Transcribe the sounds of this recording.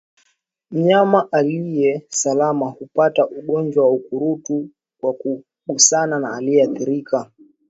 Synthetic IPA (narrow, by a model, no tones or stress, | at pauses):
m̩ɲamaʔalijɛsalamahupataʔuɠɔnd͡ʒwawaukuɾutu | kwaku | ɓusananaːliɛaθiɾika